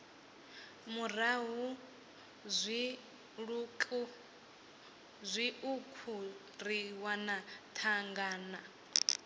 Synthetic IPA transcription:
muraɦu | zʷi | ɺukʼu | zʷiukʰu | ɾiwanatʰaŋɡaːna

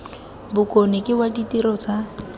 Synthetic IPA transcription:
bʊkʼonekʼɪwaditʼiɾɔt͡sa

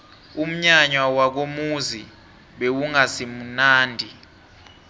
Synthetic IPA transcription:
um̩ɲaɲwawak̬omuzi | ɓewuŋasim̩naːndʱi

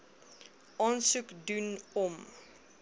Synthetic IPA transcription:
ʔɑːnsukdunɔm

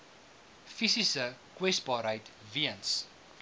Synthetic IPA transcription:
fisisəkwɛsbɑːɾɦəjtviəns

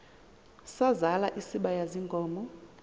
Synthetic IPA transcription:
sazalaʔisiɓajaziŋɡʱʼɔːmɔ

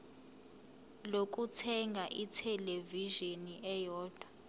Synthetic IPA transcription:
lok̬ʼutʰɛŋɡʱaʔitʰɛleviʒoniʔɛjɔːd̥ʱwa

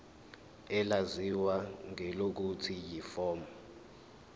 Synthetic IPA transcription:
ɛlaziwaŋɛlok̬utʰijifɔːmɔ

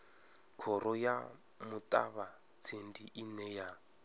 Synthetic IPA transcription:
kʰɔɾɔja | mutʼa̰βa | t͡sʰendiʔinɛja

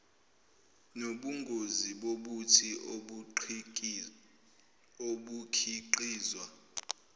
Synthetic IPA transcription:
noɓuŋɡʱoziɓoɓutʰi | oɓukʰiǃiːzwa

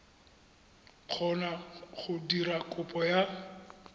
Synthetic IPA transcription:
k͡xʰɔnaχʊdiɾakʼʊpʼɔja

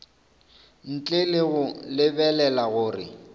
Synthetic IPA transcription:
n̩t͡ɬʼelɪɣʊlɪbɛlɛlaɣʊːrɪ̰

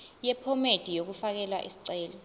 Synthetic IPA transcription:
jɛpʰɔmed̥ʱijok̬ufak̬ɛlwa̰ʔḭsi̥ǀɛːlɔ

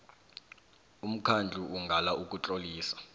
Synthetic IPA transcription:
um̩kʰand͡ɮʱuʔuŋɡʱalaʔuk̬ʼut͡ɬʼoliːsḁ

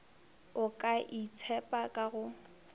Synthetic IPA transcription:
ʊkʼaʔit͡sʰɛpʼakʼaɣʊ

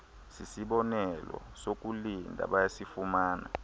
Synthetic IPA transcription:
sisiɓɔnɛlɔ̰sok̬ʼulindʱa̰ɓajasifumaːna̰

